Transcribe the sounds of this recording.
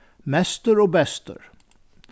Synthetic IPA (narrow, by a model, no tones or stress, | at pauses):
mɛst̪əɾoːbɛst̪ə̰ɾ